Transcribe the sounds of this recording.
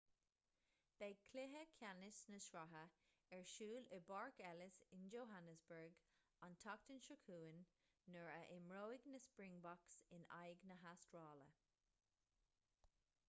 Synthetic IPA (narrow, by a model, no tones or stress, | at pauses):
b̥ɛɡkʰlɪɦəkʰjanɪsnəʃɹaɦə | ɛɹʃuːləbaɹkɛlɪsɪnd͡ʒoːɦanəsbəɹɡ | ɔntʰɔk̚tənʃəkʰuːənː | əɹəʔɪmɹoːɪɡnəspɹɪ̃ŋbɔksɪna̰jɡnəɦastɹɑːlə̰